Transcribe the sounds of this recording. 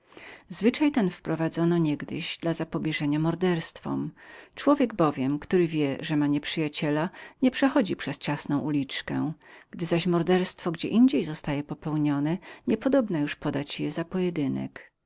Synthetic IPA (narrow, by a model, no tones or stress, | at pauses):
zvɘt͡ʂajt̪ɛnfpɾɔvad̪zɔnɔɲɛɡd̪ɘ̰ʑd̪lazapɔbʲjɛʐɛɲamɔɾd̪ɛɾst̪fɔ̰mt͡ʂwɔvʲjɛɡbɔvʲjɛmkt̪uɾɘvʲjɛʐɛmaɲɛpʂɘjat͡ɕɛlaɲɛpʂɛxɔd͡ʑipʂɛst͡ɕasnɔ̃w̃ʔulʲit͡ʂkɛ̰ɡ̥d̪ɘzaɕmɔɾd̪ɛɾst̪fɔɡd͡ʑɛ̰ʔiɲd͡ʑejzɔst̪ajɛpɔpɛwɲɔnɛɲɛpɔd̪ɔbnajuʂpɔd̪at͡ɕjɛzapɔjɛd̪ɘnɛ̰k